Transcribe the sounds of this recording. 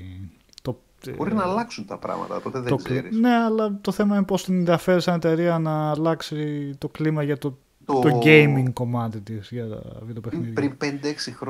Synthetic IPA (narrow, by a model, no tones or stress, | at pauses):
t̪o | boɾinɐlɐksunt̪ɐpɾɐ̰mɐ̰t̪ɐpot̪eðt̪okline̞ɐlɐt̪o̞θe̞mɐinepo̞st̪inenðiɐfe̞ɾisɐne̞t̪e̞ɾiɐnɐːlɐksit̪o̞klimɐʝɐt̪o | ot̪o̞ɟejmiŋɡko̞mɐt̪it̪iz̥ʝɐt̪ɐ̰viðopeniðɾinpend̪eeksixɾo